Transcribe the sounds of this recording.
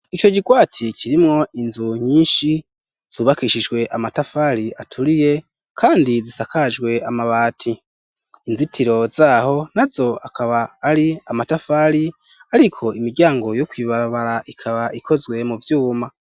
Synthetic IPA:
it͡ʃo̞ɟiɡwaːtʰicʰiɾimŋo̞ʔinzuɲ̥iːnʃi | z̥uːβakiʃid͡ʒɡwe̞ʔamatafaɾiatʰuɾije̞ | kʰaːndizisakad͡ʒɡwe̞amaβaːtʰiː | nzitʰiɾo̞zaːho̞n̥azo̞akʰaβaːɾiamatafaɾi | aɾikʰo̞imiɾɟaːŋɡo̞jokwiːβaɾaβaɾaʔikʰaβaʔikʰo̞zɡwe̞muvjuːma

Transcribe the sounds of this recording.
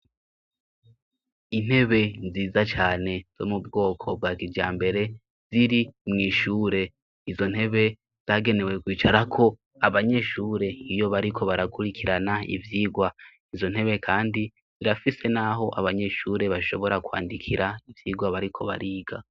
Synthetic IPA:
in̥he̞βe̞nziːzat͡ʃaːne̞z̥o̞̰mubɡo̞ːkʰo̞b̚waːkid͡ʒɟaːmbe̞ɾe̞ | z̥iɾimŋiːʃuːɾe̞ | izo̞n̥he̞βe̞ | z̥aːɡe̞ne̞we̞kwiːt͡ʃaɾakʰo̞ | aβaɲe̞ʃuːɾe̞ijo̞βaɾikʰo̞βaɾakuɾikʰiɾanaḭvjiːɡwa | izo̞n̥he̞βe̞kʰaːndi | ziɾafise̞naɦo̞ʔa̰βaɲe̞ʃuːɾe̞βaʃo̞βo̞ɾakwa̰ːndikʰiɾaivjiːɡwaβaɾikʰo̞βa̰ɾiːɡa

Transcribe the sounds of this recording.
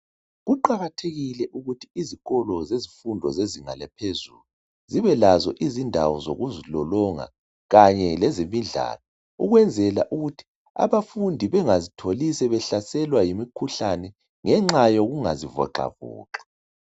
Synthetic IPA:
ɣuǃaɣatʰeɣilɛʔuɣutʰi̥iziɣɔlɔzezifundʱɔzeziŋa̰lɛpʰezulu | ziβɛlazɔ̰ʔizindʱa̰wɔzo̰ɣuzilɔlɔŋa̰ | ɣaɲɛlɛzimiɮʱa̰ːlɔ | uɣwɛnd͡zʱɛlaʔuɣutʰi̥ | a̰βafundʱiβɛŋazitʰolisɛβɛɬasɛlwajimikʰuɬanɛ | ŋɛŋ͡ǁajoɣuŋa̰zivɔ̰ǃa̰vɔ̰ːǃḁ

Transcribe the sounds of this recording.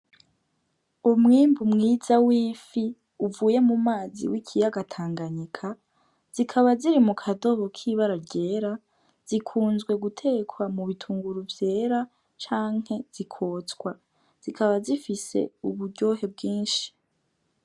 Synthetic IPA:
umŋiːmbumŋiːzawiːfi | uvuːje̞mumaːzḭwikʰijaɡatʰaːŋɡaɲikʰa | z̥ikʰaβaziɾimukʰado̞βokʰiːβaɾaɾɟe̞ːɾa | z̥ikʰuːnzɡwe̞ɡutʰe̞ːkʰwamuβitʰuːŋɡuɾuvje̞ːɾa | t͡ʃaːŋ̥he̞z̥ikʰo̞ːt͡skwa | z̥ikʰaβazifise̞̰uβuɾɟo̞ːɦe̞b̚ɡiːnʃi̥

